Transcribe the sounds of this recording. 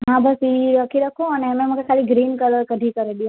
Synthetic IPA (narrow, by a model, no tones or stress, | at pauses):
ɦãbəsiiɾəkʰiɾəkʰoəneəmeməkekʰaliɡɾinkələɾkəɖ̪ʱĩkəɾeljõ